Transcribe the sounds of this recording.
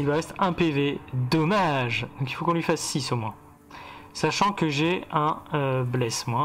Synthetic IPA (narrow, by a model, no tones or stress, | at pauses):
ilvwaʁɛst̪ɛ̃peved̪ɔmaʒd̪ɔ̃kilfokɔ̃lɥifasːisomwɛ̃ | saʃɑ̃kəʒeɛ̃øblɛsmwɛ̃